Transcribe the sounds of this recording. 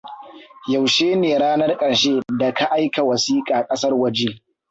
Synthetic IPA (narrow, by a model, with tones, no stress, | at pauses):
ja˨wʃeː˦neː˨ɽaː˦nɐ˦rkʼɐ˨ɽʃeː˦da˨kʰa˦ʔa˦jka˨wɐ˨siː˦kʼaː˨kʼɐ˦sɐ˦rwɐ˦d͡ʒeː˦